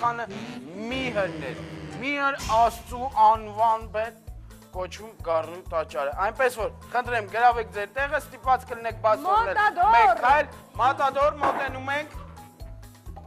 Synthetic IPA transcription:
ɑnəmiɦəɾnɛ̰ɾmiɦəɾɑst͡suʔɑnvɑnbɛt̪ | kɔt͡ʃʰvumɡɑrnut̪ɑt͡ʃːɑɾəʔɑjnpɛsvɔɾχənt̪ʰɾɛmɡəɾɑvɛk̚ʰd͡zɛɾt̪ɛʁəst̪ipvɑt͡skəlinɛk̚ʰbɑt͡sɛɛkʰːɑjlmɑt̪ɑd̪ɔɾmɔt̪ɛnumɛŋkʰ

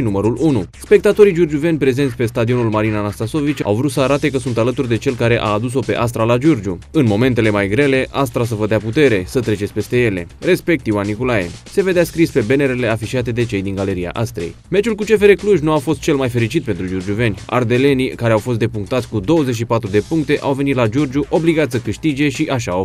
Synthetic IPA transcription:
numəɾulunuspe̞k̚t̪at̪o̞ɾijd͡ʒurd͡ʒuve̞nʲpɾe̞ze̞nt̪sʲpe̞st̪ad̪io̞nulmaɾinanast̪aso̞vit͡ʃa̰wvɾut̪səaɾat̪e̞kəsunt̪alət̪urd̪e̞t͡ʃe̞lkaɾe̞ʔaːd̪us̬o̞pe̞̰ʔas̬t̪ɾalad͡ʒurd͡ʒuɨnmo̞me̞nt̪e̞le̞majɡɾe̞le̞ʔas̬t̪ɾas̬əvəd̪eaput̪e̞ɾe̞sət̪ɾe̞t͡ʃesʲpe̞st̪e̞je̞le̞̰ɾe̞spe̞k̚t̪jiwanːikolajḛse̞ve̞d̪easkɾispe̞be̞ne̞ɾele̞afiʃiat̪̬e̞d̪e̞t͡ʃe̞jd̪iŋɡale̞ɾia̰ʔast̪ɾḛjme̞t͡ʃulkut͡ʃe̞fe̞ɾe̞kluʒnuafo̞st̪t͡ʃe̞lmajfe̞ɾit͡ʃit̪̚pent̪ɾud͡ʒurd͡ʒuve̞nʲa̰rd̪e̞le̞nikaɾeawfo̞st̪̚d̪epuŋkt̪at̪sʲkud̪o̞wəzet͡ʃ̬ʃipat̪ɾud̪e̞puŋk̚t̪e̞ʔawvenit̪lad͡ʒurd͡ʒuʔo̞bliɡat̪səkɨʃt̪id͡ʒe̞ʃiʔaʃaː

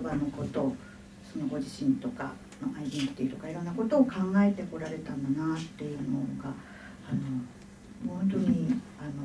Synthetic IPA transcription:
bano̞ko̞t̪o̞ | sono̞ɡo̞ʑiɕĩnt̪o̞ka̰ | maʔaid̪ẽŋkɯ̥t̪ːiit̪o̞kaiɾo̞nːako̞t̪o̞ːkʰãŋɡae̞t̪e̞ko̞ɾaɾe̞t̪ananat̪ːe̞jɯ̟ːnoɡa | ano̞ | mõnt̪̬o̞ɲ̟i | ano

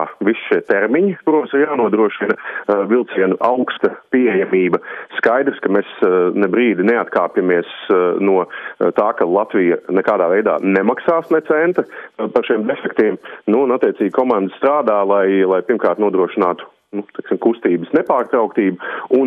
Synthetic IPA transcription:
ʋisʃiɛt̪ɛɾmiɲikuɾoːsiɾjaːnuɔd̪ɾuɔʃinɐvilˠt̪siɛnʊʔaʊkst̪ɐpiejamiːbɐskajd̪ɾskɐmɛsnɛbɾiːd̪ineat̪kaːpʲjamiɛsnuɔt̪aːkalˠat̪ʋijɐnɛkaːd̪aːʋɛjd̪a̰ːnemaksaːsnɛt̪sɛnt̪ɐpaɾʃimd̪efɛkt̪iɛmnuːnat̪ːiɛt̪siːɡ̚ʲkʰɔmand̪əst̪ɾaːd̪aːlˠajlˠajpiɾmkaːɾt̪nuɔd̪ɾuɔʃinaːt̪ʊ̥ | nut̪ɛksimkust̪iːbəsnepaːɾt̪ɾawk̚t̪iːbɐun

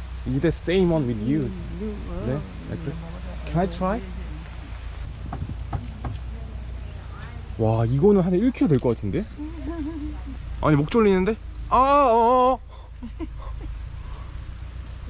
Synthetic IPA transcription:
izidəsẽɪ̃mwʌ̃nwɪðju | ne | la̰jk̚ðes | kʰɛnaɪtʰɹ̥aj | waiɡʌnɯnɦaneiɭkʰiɾodeɭk͈ʌk͈atʰinde̞ | ʔa̰ɲimok̚t͡ɕ͈oɭːinːɯnde̞ | a

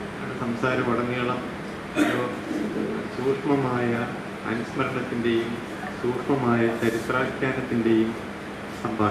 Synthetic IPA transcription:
a̰ɳesɐmsaːɾɐʋɐɽɐŋːijɐɭɐm | ɐpːo | suːrʂmɐmaːjɐ | ɐ̰nusmɐɾɐɳɐt̪ːinde̞jum | suːrpɐmaːjɐt͡ɕɐɾisraːɦikʲːaːnɐt̪ːinde̞jum | sɐmbʱaː

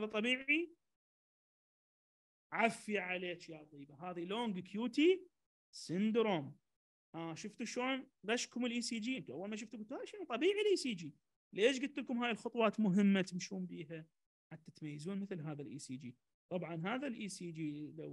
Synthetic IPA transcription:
aːðat̪ˤːɑbiːʕi | ʕafjiʕaleːʃjat̪ˤiːbaɦaːðiloːŋɡkʰjuːt̪i | sɪnd̪ɾoːm | ʔaːʃʊft̪uʃoːnɣaʃkʊmɪlʔiːsiːd͡ʒiːnt̪ʔawːalmaʃ̬ʊft̪uɡʊdt̪haːʃiːnt̪ˤɑbiːʕilʔiːsiːd͡ʒiː | leːʃ̬ɡʊd̪̚t̪ːɪlkʊmɦaːjɪlxʊt̪ˤwɑːt̪mʊɦɪmːat̪ɪmʃuːmbiːha | ħat̪ːat̪majːazuːnmɪθlɦaːðalʔḭːsiːd͡ʒiː | t̪ˤɑbʕɑnɦaːðalʔiːsiːd͡ʒiːlaw

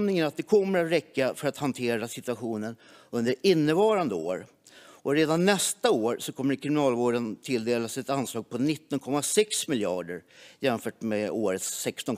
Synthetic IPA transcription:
mnɪŋənat̪̚d̪ɛkʰɔmːəɾat̪ɾɛkːafœɾat̪hant̪ʰeːɾasɪt̪ɵaɧuːnən | ɵnd̪əɾɪnːəvɑːɾand̪əo̰ːɾ | ʔɔɾeːd̪anːɛst̪aoːɾsɔkʰɔmːəɾkʰɾɪmɪnɑːlvoːɖənt̪ʰɪld̪eːlasɛt̪anslɑːɡ̚pʰɔnɪt̪ːɔnkʰɔmːasɛksmɪljɑ̰ːɖə̰ɾjɛnfœːʈmeoːɾət̪sɛkst̪ɔn

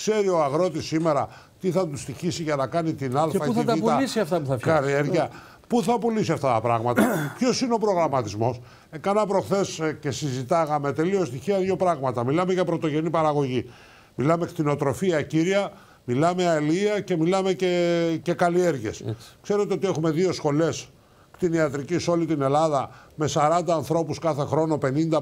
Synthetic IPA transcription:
kse̞ɾio̞ɐɣɾo̞t̪isːime̞ɾɐ | t̪iθɐt̪ust̪içisiʝɐnɐkɐnit̪inɐlfɐθɐt̪ɐpt̪ɐlisiɐft̪ɐpuθɐkɐlie̞ɾʝɐ | puθɐpulisiɐft̪ɐt̪ɐpɾɐ̰ɣmɐt̪ɐpço̞sineo̞pɾo̞ɣɾɐmɐt̪izmo̞s | ekɐnɐpɾo̞xθe̞sce̞sizit̪ɐɣɐme̞t̪e̞lio̞st̪içiɐðʝo̞pɾɐɣmɐt̪ɐmilɐme̞ʝɐpɾo̞t̪o̞ʝe̞nipɐɾɐɣo̞ʝi | milɐme̞kt̪ino̞t̪ɾo̞fiɐciɾɐ | milɐmeɐeliiɐce̞milɐme̞cece̞kɐlie̞ɾʝe̞skse̞ɾe̞t̪eot̪ie̞xume̞ðio̞sxo̞le̞s | kt̪iniɐt̪ɾiciso̞lit̪ine̞lɐðɐme̞sɐɾɐnd̪ɐːnθɾo̞puskɐθe̞xɾo̞no̞pe̞nind̪ɐ

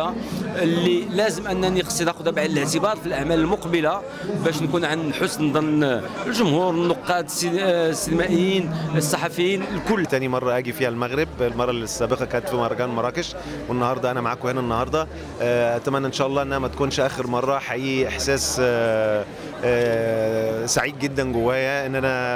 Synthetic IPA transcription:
alːilæzəmʔænːænəqsˤit̪æxʊd̪æbaʕd̪ələʕt̪əbɑɾˤfilʔaʕmæləlmʊqbəla | bæʃnkunʕanħʊsnd̪ˤɑn | lʒʊmhuɾnːoqːɑt̪ssːinmæʔəjːinəsˤːɑħɑfəjːinlkʊlːt̪ænimɑrˤːɑʔæɡifihælmæɣɾəblmɑrˤːɑlisːæbəqɑkænət̪fimɑɾˤːɑkænlmɑɾˤɑkəʃ | wənːɑhɑɾˤd̪ˤɑʔænæmaʕaːkhenænːɑhɑɾˤd̪ˤɑ | ʔæt̪æmænːʔenʃæʔɑlˤːɑːʔenʔæhnæmæt̪ækunʃʔæːxəɾmɑrˤːɑħaʔiʔɪħsæːs | saʕiːd̪̚ɡed̪ːænɡʊwːæːjæʔɪnːʔænæ

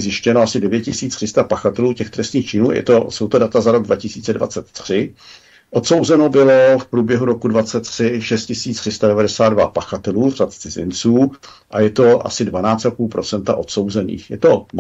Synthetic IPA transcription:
zjɪʃcɛnoasɪdɛvjɛt̪cɪsiːt͡st̪r̥ɪst̪apaxat̪ɛluːcɛxt̪ɾɛst̪niːxt͡ʃɪnṵːjɛ̰t̪o̞so̞wt̪o̞dat̪azaɾo̞ɡdvacɪsiːt͡sɛdva̰t͡sɛt̪ːr̝̥ɪ | ʔo̞t̪so̞wzɛno̞bɪlo̞fpɾuːbjɛɦuɾo̞kudvat͡sɛt̪ːr̥ɪʃɛst̪cɪsiːt͡st̪r̥ɪst̪adɛvadɛsaːd̪̚dvapaxat̪ɛluːvrat̪t͡sɪzɪ̰nt͡suː | ʔajɛt̪o̞ʔa̰sɪdvanaːt͡st̪apuːlpɾo̞t͡sɛnt̪aʔo̞t̪so̞wzɛnḭːxjɛt̪o̞

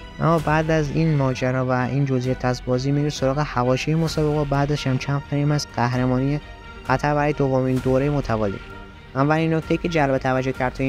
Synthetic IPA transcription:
ʔæ̰mːɒbæːd̪æzinmɒːd͡ʒæɾɒːvæʔiːnd͡ʒozijet̪ʰæsbɒːziːmiɾisoɾɒːɣehævɒːʃiːjemosɒːbeɣɒːbæːd̪æʃæmt͡ʃʰænfeɾimæsɢæhɾemɒːnije | xæt̪ʰæɾbæɾɒːjed̪ovːomiːnd̪oːɾejemot̪ʰævɒːlḭ | ævːælinːok̚t̪ʰeiːkʰʲe̞d͡ʒælbet̪ʰævæd͡ʒːohcʰæɾd̪t̪ʰː

